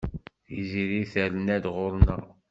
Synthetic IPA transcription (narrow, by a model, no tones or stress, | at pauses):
iziɾiθælənæd̪ʁʊɾnæ